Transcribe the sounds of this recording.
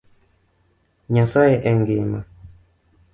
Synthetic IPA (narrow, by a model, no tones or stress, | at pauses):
ɲasajɛʔɛŋɡima